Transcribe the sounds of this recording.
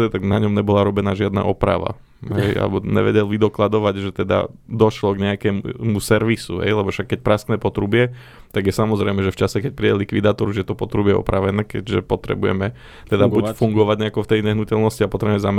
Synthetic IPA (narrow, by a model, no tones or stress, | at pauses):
ɛt̪aɡnaɲɔmɲɛbɔlaɾɔbɛnaːʒɪad̪na̰ʔɔpɾa̰ʋa̰ | ɦɛjʔa̰lɛ̰bɔɲɛ̰ʋɛ̰ɟɛlʋid̪ɔklad̪ɔʋaɟʒɛt̪ɛd̪a̰d̪ɔʃlɔɡɲɛakɛːmumusɛɾʋisuɦɛ̰jlɛbɔfʃakːɛc̚pɾast̪nɛːpɔt̪ɾubɪɛ | t̪aɡjɛsamɔzɾɛjmɛʒɛft͡ʃasɛkɛc̚pɾiɟɛlikʋid̪aːt̪ɔɾuʒjɛt̪ɔpɔt̪ɾubɪɛɔ̰pɾaʋɛnɛːkɛɟʒɛpɔt̪ɾɛ̰bujɛ̰mɛ | t̪ɛd̪abufuŋɡɔʋaɟɲɛakɔft̪ɛjɲɛɦnucɛlnɔsciapɔt̪ɾɛbuɛmɛzamɛ